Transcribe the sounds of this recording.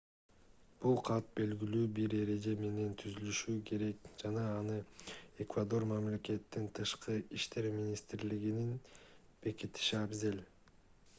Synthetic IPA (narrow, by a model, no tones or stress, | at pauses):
b̥ulˠqʰɑt̪̚be̞lɡilyːbiɾe̞ɾe̞d͡ʒe̞me̞ne̞nt̪ʰyzylyʃykʰe̞ɾe̞kd͡ʒɑnɑːnɯe̞kvad̪o̞rmamle̞ke̞t̪ːint̪ʰɯʃqɯiʃt̪e̞ɾmʲinʲist̪ɾliɡininb̥e̞kit̪i̥ʃiabzel